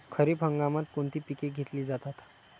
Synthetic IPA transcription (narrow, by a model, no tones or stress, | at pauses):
kʰəɾiːpɦəŋɡamat̪̚koɳt̪iːpikeɡʱet̪liːd͡zat̪at̪